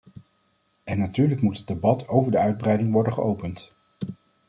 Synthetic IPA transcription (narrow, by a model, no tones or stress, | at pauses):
ɛnːatyːɹləkmutɦədebɑtʰowvəɹdəœɥd̚brɛjdɪŋʋɔɹdəχəowpənt